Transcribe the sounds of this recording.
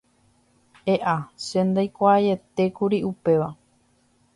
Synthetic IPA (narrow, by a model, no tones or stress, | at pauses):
eʔaʃẽnd̪ajkʷaːje̞t̪e̞kuɾiʔupe̞ʋa